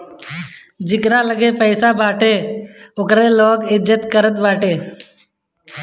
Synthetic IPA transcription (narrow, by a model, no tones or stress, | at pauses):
d͡ʒɪkɾaːləɡeːpəɪsaːbaːʈeːʊkɾeːloːkɪd͡ʒət̪kəɾət̪baːʈeː